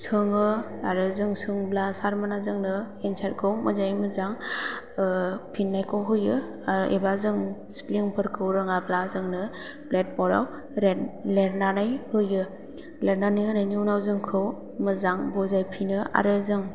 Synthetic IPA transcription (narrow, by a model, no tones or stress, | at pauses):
sʰɯŋɯaɾɯzɯŋsʰɯŋblasaɾmanazɯŋnɯ | ensaɾkʰɯwmɯzajmɯzaŋ | pʰinːajkʰɯwɦɯjɯ | ʔḛbazɯŋspliŋpʰɯɾkʰɯwɾɯŋablazɯŋnɯ | plet̚pɔɾa̰w | ɾeleɾnanajhɯjɯ | leɾnanajhɯnajnuwnawzɯŋkʰɯw | mɯzaŋbɔzajpʰinɯa̰ɾɯzɯŋ